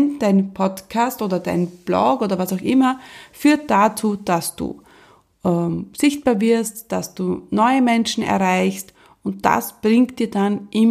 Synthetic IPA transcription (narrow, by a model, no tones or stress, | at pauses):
nd̥aɪnpʰɔtkʰastʔoːdɐda̰ɪnb̥lɔ̰ɡoːdɐvasaʊxʔɪmɐfyːɐt̚d̥at͡suːd̥asd̥ṵː | ʔɛmz̥ɪçt̚b̥aːɐvɪɐstd̥asd̥uːnɔʏəmɛnʃn̩ɛ̰ɐʁaɪçst | ʊnt̚d̥a̰sb̥ʁɪŋkt̚d̥iːɐdanʔɪm